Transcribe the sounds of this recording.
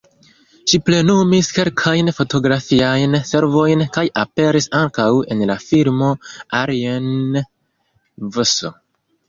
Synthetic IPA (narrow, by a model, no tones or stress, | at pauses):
ʃiple̞numiske̞lkʰajnfo̞to̞ɡɾafiajnse̞ɾvo̞jnkajʔape̞ɾisaŋkawe̞nlafilmo̞aɾien | voso̰